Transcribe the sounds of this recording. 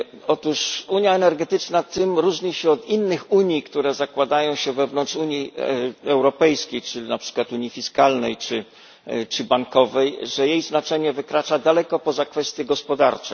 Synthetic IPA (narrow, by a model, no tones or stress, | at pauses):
ɔt̪uʂuɲjaɛnɛɾɡɛt̪ɘt͡ʂnat̪ɘmɾuʐɲiɕɛɔt̪inːɘxuɲikt̪uɾɛzakwad̪ajɔ̃w̃ɕɛvɛvnɔntt͡ʂuɲiɛwɾɔpɛjskʲejt͡ʂɘnapʂɘ̥kwat̪uɲifʲiskalnɛjt͡ʂɘ | t͡ʂɘbaŋkɔvɛjʐɛjejznat͡ʂɛɲɛvɘkɾat͡ʂad̪alɛkɔpɔzakfɛst̪ʲjɛɡɔspɔd̪aɾt͡ʂɛ̰